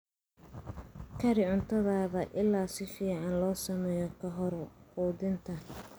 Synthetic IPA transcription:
kʰɐɾɪʕʊnt̪ʰɐðaːðɐʔɪlːaːsɪfiːʕɑnlɔːsɐmɛːjɔkʰɐɦɔɾquːd̪ɪnt̪ʰɐ

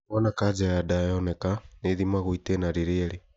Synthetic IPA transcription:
ɔnakad͡ʒɛɾadajɔnɛkaneðimaɣuitɛnaɾiɾiɛɾi

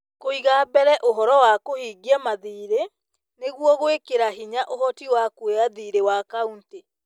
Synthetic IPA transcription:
koiɣabɛɾɛʔoɦɔɾɔwakohiːɡɛmaðiːɾe | neɣwɔɣowekeɾaɦiɲaʔoɦɔtiwakweaðiɾewakaunte

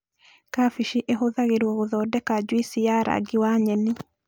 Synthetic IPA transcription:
kafiʃiʔeɦoðaɣeɾwɔɣoðɔːdɛkad͡ʒwisijaɾa̰ɡiwaɲɛni

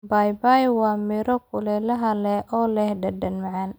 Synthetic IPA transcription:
bajbajwɑːmɪɾɔkʰʊlɛlɐɦɐlɛʔɔːlɛhɖɐdɐnmaʕan

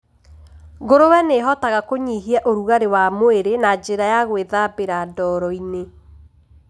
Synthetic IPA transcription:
ɣoɾowɛneɦɔtaɣakoɲiɦiɛʔoɾuɣaɾewamoeɾenad͡ʒeɾajaɣweðabeɾadɔɾɔine

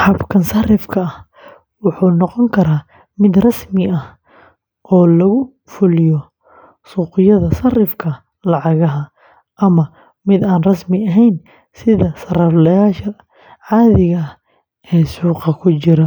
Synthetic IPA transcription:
ħɑbkʰɐnsɐrɪfkʰɐɐh | wʊħuːnɔqɔŋkʰɐɾaː | mɪd̪rɐsmɪʔɐh | ʔɔːlɐɣʊ | fʊlɪjɔ | suːqɪjɐðɐsɐrɪfkʰɐ | lɑʕɑɣɐɦɐ | ʔɐmɐ | mɪd̪aːnrɐsmɪɐɦɛjn | sɪðɐsɐrɐflɐjaːʃɐ | ʕɑːðɪɣɐ | ʔɛːsuːqɑkʰʊt͡ʃɪɾɐ

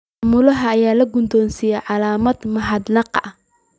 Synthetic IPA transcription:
mʊlɐɦɐːjaːlɐɡʊnd̪ɔːnsiːjɛjʕɑlaːmɐd̪mɐħɑd̪nɑqɐ

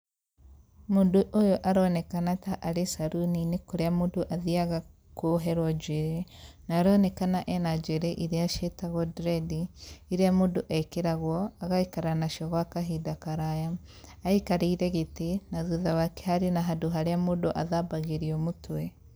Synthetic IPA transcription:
mondoʔojoʔaɾɔnɛkanataʔaɾesaɾuninekoɾeamondoʔaðiaɣa | koɦɛɾwɔd͡ʒeɾenaːɾɔnɛkanaʔɛnad͡ʒeɾeʔiɾeaʃetaɣɔdɾɛdiiɾeamodoʔakeɾaɣwɔaɣaikaɾanaʃɔɣwakaɦidakaɾajaː | ikaɾeiɾɛɣetenaðuðawake̥haɾenaɦadoɦaɾeamodoʔaðabaɣeɾiɔmotwɛ

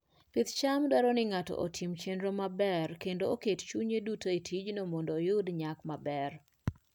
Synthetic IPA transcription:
pit̪t͡ʃamdwaɾɔnɪŋatɔ̰ʔo̰tʰimt͡ʃendɾomabɛrkendoːkett͡ʃuɲedutoetʰid͡ʒnomondoːjʊdɲakmabɛr

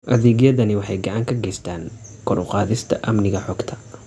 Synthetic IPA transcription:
ʔɐðɛːɣjɐðɐnɪwɑħɑjɡɑʕɑːŋkʰɐɡɛjst̪ʰaːŋkʰɔɾʊqɑːðɪst̪ʰɐ̰ʔɐmnɪɣɐħɔːɡt̪ʰɐ̥

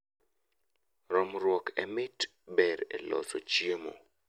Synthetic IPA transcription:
ɾɔmɾwɔkʰɛ̰mɪt | bɛɾḛlɔ̰sot͡ʃiemo̰

